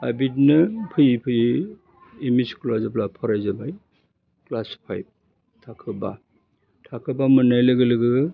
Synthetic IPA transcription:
abitnɯpʰɯjpʰɯj | imiskʰulazɯplapʰɔɾajzabaj | klaspʰajb̚ | tʰakʰɯba | tʰakʰɯbamɯnajlɯɡɯlɯɡɯ

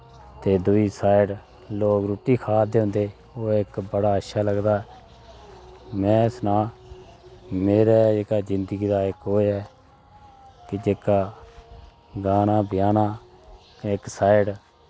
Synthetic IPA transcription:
t̪eːd̪ʊiːsaːɪɖ | loːkɾuːʈiːkʰaːd̪eːɦʊ̃nd̪eː | oːɪkbəɽaːətʃaːləɡd̪aːɛ | mɛ̃ːɪsnaː | meːɾɛːekaːd͡ʒɪnd̪əɡiːd̪aːɪkoːɛː | kɪd͡ʒeːkaː | ɡaːnaːbɪjaːnãː | kɪksaːɪɖ

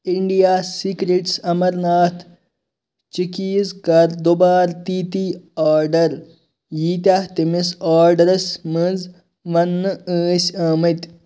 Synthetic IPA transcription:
iɳɖijaːsikɾeʈsɐmɐɾnaːt̪ʰ | t͡ʃikiːzkɐɾd̪obaːɾt̪iːt̪iaːɾɖɐɾ | jiːt̪ʲaht̪imisaːɾɖɐɾɐsməz | ʋɐnːɨəːsʲaːmɐt̪ʲ

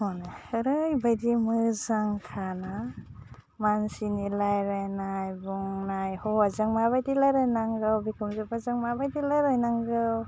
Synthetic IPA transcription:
honahɯɾɯjbajdimɯzaŋkʰana | mansinilajɾajnajbuŋnajhɔwazaŋmabajdilaɾɯjnaŋɡɯwbikʰɯmzɯbazaŋmabajdilaɾajnaŋɡɯw

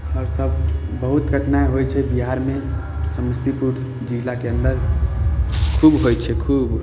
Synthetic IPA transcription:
ɔːɾsəbbəɦʊt̪ɡʱəʈnaeɦojt͡ʃʰɛbiɦaɾmẽ | səməst̪ʰipuɾ | d͡ʒiːlakeə̃nd̪əɾ | kʰuːbɦojt͡ʃʰɛkʰuːb

